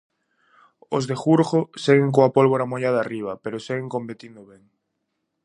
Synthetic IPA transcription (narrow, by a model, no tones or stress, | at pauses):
ozðexuɾɣoseɣeŋkoapolβoɾamojaðariβ̞ɐpeɾoseɣeŋkompet̪ind̪ʊβɛŋ